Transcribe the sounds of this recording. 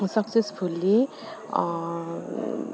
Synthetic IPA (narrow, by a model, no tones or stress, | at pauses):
sʌksesfʰulːi